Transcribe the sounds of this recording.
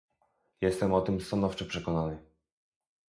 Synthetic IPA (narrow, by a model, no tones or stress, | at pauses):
jɛst̪ɛmɔt̪ɘmst̪anɔft͡ʂɛpʂɛkɔnanɘ